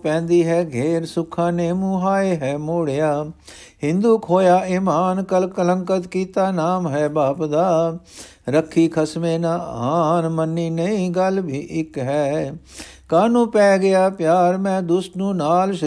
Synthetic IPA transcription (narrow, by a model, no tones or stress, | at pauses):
pɛ̃ːnd̪iːɦɛːɡʱeːɾsʊkʰãːneːmũɦaːeɦɛːmoːɽɪjaː | ɦɪ̃nd̪uːkʰoːjaːɪmaːnkəlkələ̃ŋkət̪kiːt̪aːnaːmɦɛːbaːpd̪aː | ɾəkʰːiːkʰəsmẽːnaːaːnmənːiːnəĩɡəlbʱiːʔɪkɦɛː | kaːnũːpɛːɡɪjaːpjaːɾmɛ̃ːd̪ʊsʈ̪nũːnaːlʃ